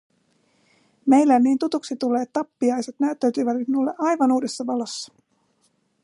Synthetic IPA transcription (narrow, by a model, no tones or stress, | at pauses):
me̞jlːænːiːnt̪ut̪uksit̪ule̞ːt̪ːɑpːiɑjse̞t̪næyt̪ːæyt̪yːʋæt̪it̪minulːeʔɑjʋɑnuːde̞sːɑʋɑlo̞sːɑ̥